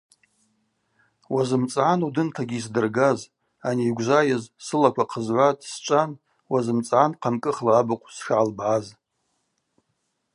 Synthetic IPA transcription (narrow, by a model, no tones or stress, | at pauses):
wazɨmt͡sʼʕanudɨntʰaɡʲiis̬dɨrɡaz | aniːɡʷʒʷajazsɨlakʷʰaqʰəzʕʷatʼst͡ʃʷʼan | wazɨmt͡sʼʕanqʰamkʼɨχlaːbɨqʷʼsʂʕalbʕaz